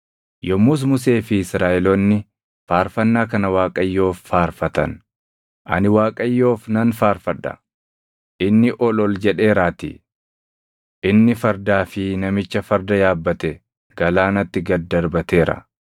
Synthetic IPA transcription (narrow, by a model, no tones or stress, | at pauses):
jɔmʊs̬mʊs̬e̞ːfɪsɾaːʔɛlɔnːɪ | faːɾfɐnːaːkɐnɐwaːkʼɐjːo̞ːfːaːɾfɐt̪ɐ̰n | ʔɐ̰nɪwaːkʼɐjːo̞ːfnɐnfaːɾfɐᶑɐ̰ | ʔɪnːɪʔɔlɔld͡ʒɛᶑe̞ːɾaːt̪ḭ | ʔɪnːɪfɐɾd̪aːfɪnɐmɪt͡ʃːɐfɐɾd̪ɐjaːbːɐt̪ɛ | ɡɐlaːnɐt̪ːɪɡɐd̪ːɐɾbɐt̪e̞ːɾɐ̰